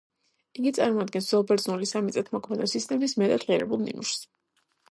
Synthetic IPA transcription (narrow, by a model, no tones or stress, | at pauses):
iɡit̪sʼaɾmɔad̪ɡɛnsz̥ɔlˠpʰʼɛɾt̪zʼɔnulisamit̪sʼɛt̪ʰmɔkʰmɛnɔsist̪ʼɛmismɛt̪ʼad̪ʁiɛɾɛ̰bulˠnḭnuʃs